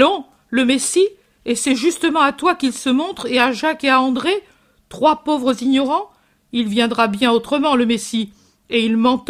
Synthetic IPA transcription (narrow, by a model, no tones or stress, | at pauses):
ɔ̃ | ləmesi | esɛʒyst̪əmɑ̃at̪wakilsəmɔ̃t̪χeaʒakeaɑ̃d̪ʁe | t̪χwapovʁəziɲɔʁɑ̃ | ilvjɛ̃d̪ʁabjɛ̃ot̪χəmɑ̃ləmesi | eilmɑ̃t̪